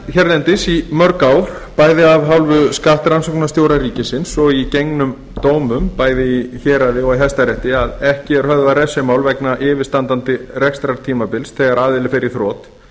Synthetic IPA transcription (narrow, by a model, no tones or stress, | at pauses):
çɛɾðɛnt̪ɪsimœɾkaːwɾ̥paːjðɪavɦawlvʏskaːht̪ɾansoknast̪joːwɾaɾiːcɪsɪnsɔɣicejŋnʏm | t̪oːwmʏmpaːjðɪiçɛːɾaðɪɔɣiɦɛst̪aɾɛht̪ɪaðɛhcɪɛɾ̥hœððarɛsɛmaːwlvɛknaʔɪːvɪɾst̪ant̪ant̪ɪrɛkst̪ɾaɾt̪ʰiːmapɪlsθɛɣaɾaːðɪlːɪfɪɾɪ̥θɾɔːt̪